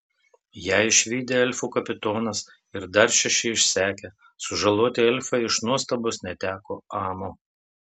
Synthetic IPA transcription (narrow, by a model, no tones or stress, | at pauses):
jæːɪʃʲʋʲiːd̪ʲeɛlʲfuːkɐpʲɪt̪oːnɐs | ɪɾd̪ɐɾʃʲɛʃʲɛɪʃʲsʲæːkʲe | sʊʒɐlˠoːt̪ʲɪɛlʲfɐɪɪʃnuɔst̪ɐbosnʲɛt̪ʲæːkoːɑːmo